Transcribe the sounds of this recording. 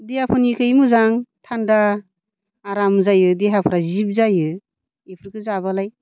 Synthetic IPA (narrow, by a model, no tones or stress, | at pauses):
dehapʰɯnikʰɯjmɯzaŋtʰandaː | ɾamzajɯdeɦapʰɯɾazip̚zajɯ | ipʰɯɾkʰɯzaβalaj